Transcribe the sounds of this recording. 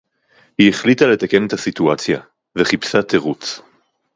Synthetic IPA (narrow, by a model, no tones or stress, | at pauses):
hieχlit̪ale̞t̪ake̞net̪hasit̪uat͡sja | veχipsat̪eʁut͡s